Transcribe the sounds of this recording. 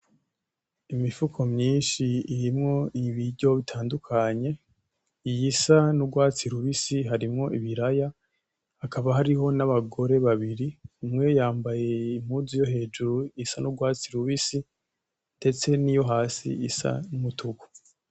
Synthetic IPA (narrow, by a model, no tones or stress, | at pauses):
imifukʰo̞mɲiːnʃiːɾimŋo̞iβiɾɟo̞βitʰaːndukʰaɲe̞ | jisanuɡwaːt͡siɾuβisiɦaɾimŋo̞ʔiβiɾaja | akaβaɦaɾiɦo̞naβaɡo̞ɾe̞βaβiɾiumŋe̞jaːmbaje̞im̥huzijo̞ɦe̞ːʒuɾujisanuɡwaːt͡siɾuβisi | nde̞t͡se̞nijo̞ɦaːsḭḭsa̰numutuku̥